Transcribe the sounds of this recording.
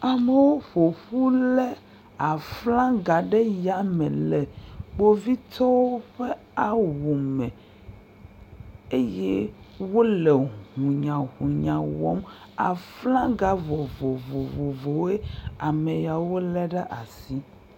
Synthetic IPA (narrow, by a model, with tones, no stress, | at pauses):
a˨me˦wo˦ɸo˨ɸu˦lɛ˦ | a˨flã˦ɡa˨ɖɛ˦ja˨mɛ̰̃˨lɛ˨ɡ͡bo˦vi˦t̪ɔ˦wo˦ɸe˦ | a˦wu˨mɛ̃˨ | e˦jɛ˦ | wo˦lɛ˨hũ˨ɲã˨ɦũ˨ɲã˨wɔ̰˦m | a̰˨flã˦ɡa˨vɔ˨vo˨vo˨vo˨vo˨˦e˦a˨mɛ˨ja˨wo˦lɛ˦ɖɛ˦ʔa˨si˦